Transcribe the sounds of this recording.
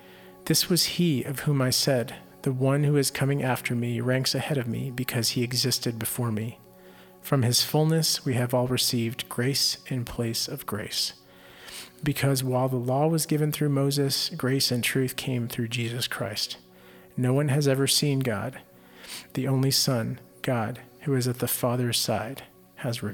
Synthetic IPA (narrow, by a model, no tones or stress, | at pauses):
ðɪswʌz̥iʌv̥hũmaɪsɛd̪̚ | ðɨwʌ̃nhʉɨz̥kʰʌmɪ̃ŋʔæftʰə˞miɹæ̃ŋksɨhɛɾʌvmḭbɨkʰʌz̥iɨɡzɪstɨd̚bɨfɔɹmi | fɹʌ̃mɨz̥fʊlˠnɨswiɨvɔlˠɹɨsivdɡ̥ɹeɪsɨ̃npʰl̥eɪsʌvɡɹeɪs | bɨkʰʌzwaɪlˠðəlɔwʌzɡɪvɨ̃nθɹʉmoʊzɨsɡ̥ɹeɪsɨ̃ntʰɹ̥ʉθkʰẽɪ̃mθɹʉd͡ʒizɨskʰɹ̥a̰ɪst | noʊwʌ̃nɨzɛvə˞sĩnɡɑ̰d̪̥̚ | ðiʔõʊ̃nlisʌ̃n | ɡ̥ɑd̥̚hʉɨzɨt̪̚ðəfɑðə˞z̥sa̰ɪd̥ | hɨzɹɪ